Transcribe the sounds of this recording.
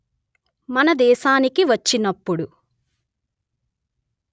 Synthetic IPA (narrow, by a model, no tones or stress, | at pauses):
mɐnɐd̪ɛːʃaːnikiʋɐt͡ʃːinɐpːuɽu